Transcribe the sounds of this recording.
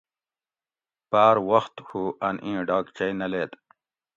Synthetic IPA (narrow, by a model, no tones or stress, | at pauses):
paːɾwɐxt̪huʔɐnʔĩːɖɑːkt͡ɕɐjnɐleːt̪